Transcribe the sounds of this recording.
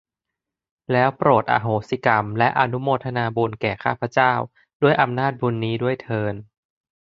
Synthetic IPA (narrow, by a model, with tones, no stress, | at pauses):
lɛː˦˥wpɾoː˨˩t̪̚ʔa̰ː˧ɦoː˩si˧˦˩ka˧mlɛ˦˥ʔa˧nu˦˥moː˧t̪ʰa˧naː˧buː˧nkɛː˨˩kʰaː˥˩pʰɾa˧˦˥t͡ɕaː˥˩w | du˥˩əjʔa˧mnaː˥˩t̪̚bu˧nːiː˦˥du˥˩əjt̪ʰɤː˧n